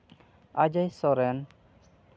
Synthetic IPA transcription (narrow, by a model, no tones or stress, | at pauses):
ad͡ʒajsɔɾɛn